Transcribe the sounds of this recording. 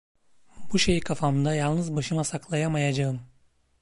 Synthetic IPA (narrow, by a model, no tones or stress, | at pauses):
buʃejikʰafamɯnd̪ajalˠnɯzbaʃɯmasaklˠajamajad͡ʒaɯm